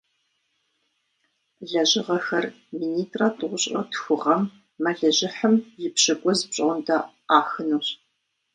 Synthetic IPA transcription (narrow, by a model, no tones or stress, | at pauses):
ɮɐʑɪʁɐxɐr | miːniːtʼrɐtʰɨʁʷʊɕʼrɐtxʷʊʁɐmː | ɐɮɐʑɪħəmjɪpɕɐɡʷʼɔzpɕʼɐʊndɐ | aːxɨnuɕ